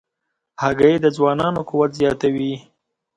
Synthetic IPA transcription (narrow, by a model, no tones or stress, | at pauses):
haɡajed̪əzwɑnɑnokuwat̪zjɑt̪awi